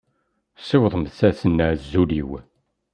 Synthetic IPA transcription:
sˤɪwðˤmθæsənːazːuliw

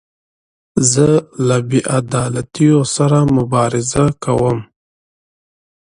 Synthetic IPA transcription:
zəlabiʔad̪ɑlat̪ijosaɾamʊbɑɾɪzakʰawəm

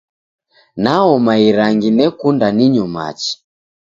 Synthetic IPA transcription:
naɔmaiɾaŋɡinɛkundaniɲɔma̰t͡ʃi̥

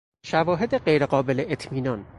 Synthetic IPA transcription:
ʃævɒːɦe̞d̪e̞ɢejɾeɢɒːbe̞leʔet̪ʰmiːnɒːn

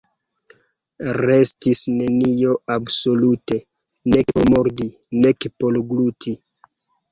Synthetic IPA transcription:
ɾe̞stisne̞nio̞abso̞lute̞ | neomoɾdi | ne̞kpo̞lɡlutʰi

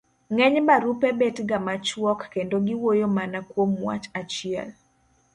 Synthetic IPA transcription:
ŋɛɲbaɾupebetɡamat͡ʃwɔkːendoɡɪwojomanakwomwa̰t͡ʃat͡ʃɪɛ̰l

